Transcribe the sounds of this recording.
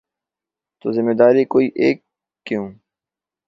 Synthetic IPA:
t̪oːzɪmːed̪aːɾikoːiːʔḛːkː | jũː

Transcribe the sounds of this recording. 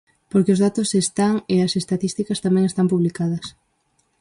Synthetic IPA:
poɾkeʊzðat̪ʊsest̪aŋeɐsest̪at̪ist̪ikɐst̪amɛ̃ŋest̪ampuβlikað̞ɐs

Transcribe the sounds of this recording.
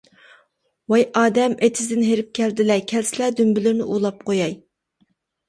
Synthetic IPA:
wɑjʔɑːd̪ɛmet̪ʰɪzd̪ɪnɦeɾɪp̚kʲʰɛld̪ɪlɛkʲʰɛlsɪlɛd̪ymbɪlɪɾnɪ̰ʔulˠɑp̚qʰojɑj

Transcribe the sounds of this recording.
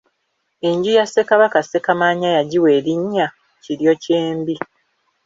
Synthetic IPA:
e̞ɲɟijasːe̞kaβakase̞kamaːɲajaɟiwe̞ːɾiɲːa | ciɾjo̞ce̞ːmbi

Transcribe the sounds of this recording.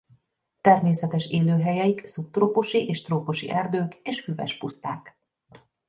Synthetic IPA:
t̪ɛrmeːsɛt̪ɛʃeːløːɦɛjɛiksup̚t̪roːpoʃiʔeːʃt̪roːpoʃḭʔɛrd̪øːkeːʃfyvɛ̰ʃpust̪aːk

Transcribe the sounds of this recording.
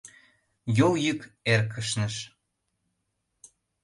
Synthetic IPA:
joljykerkʰəʃnəʃ

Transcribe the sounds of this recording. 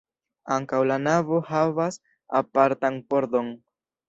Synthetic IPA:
aŋkawlanavo̞havas | apaɾtanpo̞ɾdo̞n

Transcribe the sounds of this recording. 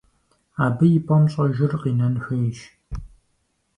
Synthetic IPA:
aːbɨjɪpʷʼɐmɕʼɐʒɪrqiːnɐnxɐʃ

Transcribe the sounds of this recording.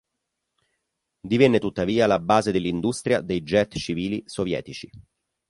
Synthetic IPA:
d̪ivɛnːet̪ut̪ːaviːalabaːzed̪elːind̪ust̪ɾjad̪ejd͡ʒɛt̪t͡ʃiviːlisovjɛ̰ːt̪it͡ʃi

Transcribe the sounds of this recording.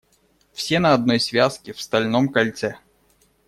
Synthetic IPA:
fsʲenɐɐd̪̚nɔjsʲvʲaskʲɪfst̪ɐlʲnɔmkɐlʲt̪sɛ

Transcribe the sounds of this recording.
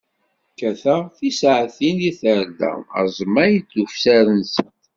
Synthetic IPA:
kːæθæθisʕθiniθəɾd̪æ̰mə̰zˤmæjt͡sːufsæɾənsənt

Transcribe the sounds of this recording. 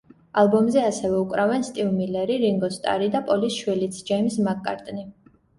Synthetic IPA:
alˠbɔmzɛasɛvɛukʼɾavɛnst̪ʼivmilɛɾiɾiŋɡɔst̪ʼa̰ɾid̪apʼɔlisʃwilit̪sʰd͡ʒɛjmsmakʼːa̰ɾt̪ʼni

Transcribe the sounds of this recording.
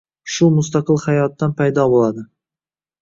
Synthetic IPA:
ʃʊmʊst̪aqɨlˠhajɒt̪ːanpʰajd̪ɒbolad̪ɪ

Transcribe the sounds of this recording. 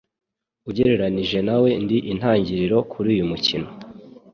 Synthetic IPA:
uɟe̞ɾe̞ɾaniʒe̞nawe̞ndiʔin̥haːɲɟiɾiɾo̞kʰuɾiːjumucino̞

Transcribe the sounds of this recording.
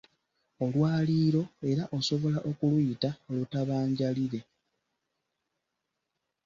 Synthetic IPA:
o̞lwaːliːɾo̞e̞ɾaʔo̞so̞βo̞laʔo̞kulwuitaolutaβaːɲɟaliɾe̞

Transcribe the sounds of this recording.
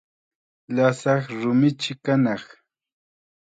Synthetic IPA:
lasɑχɾʊmɪt͡ʃɪkanɑχ

